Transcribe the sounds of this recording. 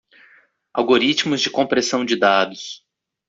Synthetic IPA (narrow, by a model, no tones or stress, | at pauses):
a̰wɡoɾit͡ʃmʊzd͡ʒɪkõpɾesɐ̃w̃d͡ʒɪd̪ad̪ʊs